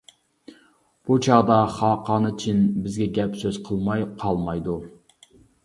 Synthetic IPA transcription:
b̥ut͡ʃʰɑʁd̪ɑχɑːqʰɑːnɨt͡ʃʰinbɪzɡʲɛɡʲɛpsøz̥qʰəlˠmɑjqʰɑlˠmɑjd̪u

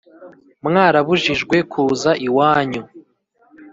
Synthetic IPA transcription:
mŋaːɾaβuʒiʒɡwe̞kʰuːzaʔiwaːɲu

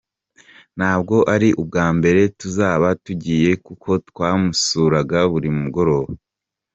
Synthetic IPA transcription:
n̥haːb̚ɡo̞ʔaɾiʔub̚ɡaːmbe̞ɾe̞tuzaːβatuɟiːje̞kukʰo̞twaːmusuːɾaɡaβuɾimumuɡo̞ɾo̞ːβa

